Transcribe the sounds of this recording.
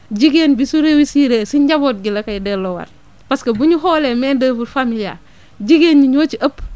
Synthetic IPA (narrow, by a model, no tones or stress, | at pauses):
ɟiɡeːnbisuɾewisiɾeːsiɲɟaboːt̚ɡilɐkɐjdelowɐ̰ɾ | paskɐbuɲuɦoːleːmɛːndəːfuɾfamilia̰ | ɟiɡeːnɲuɲoːt͡ʃiʔɐp